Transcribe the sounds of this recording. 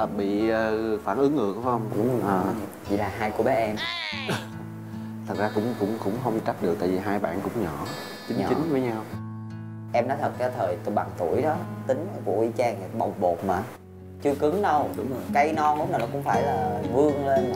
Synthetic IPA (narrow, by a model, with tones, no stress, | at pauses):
ɓḭ˧˨əː˨˩faː˧˩nʔɨ˨˦ŋʔɨ˨˩ək̚fa˨˦ə˧wŋ͡mʊ˧˥ŋ͡mʔəː˨˩ | t͡ɕḭ˧˨laː˨˩ɦaː˧jku˧˩əɓɛ˨˦ʔɛ˧m | t̪ʰə˨˩t̚zaː˧kʊ̰˧˥ŋ͡mkʊ̰˧˥ŋ͡mkʊ̰˧˥ŋ͡mxə˧wŋ͡mt͡ɕa˦˥p̚ɗɨ˨˩k̚t̪a̰ː˧˨˩vi˨˩ɦaː˧jɓa̰ː˧˨nkʊ̰˧˥ŋ͡mɲɔ̰˧˩˨ | t͡ɕï˨˦ŋɲɔ̰˧t͡ɕï˨˦ŋ̟və˨˦jɲa˧w | ʔɛ˧mnɔ˨˦t̪ʰə˨˩t̚kaː˨˦jt̪ʰəː˨˩jt̪ɓa˨˩ŋt̪u˧˩əjɗɔ˨˦t̪ï˨˦ŋ̟˨˧˦kṵ˧˩əʔi˧˩t͡ɕaː˧ŋ˨˩ɓə˨˩wŋ͡mɓo˨˩t̚maː˨˩ | t͡ɕɨ˧əkɨ˨˦ŋɗə˧wka˧jnɔ˧nʔʊ˧˦ŋ͡mnaː˨˩nɔ˨˦kʊ̰˧˥wŋ͡mfaː˧˩jlaː˨˩vɨ˧əŋle˧n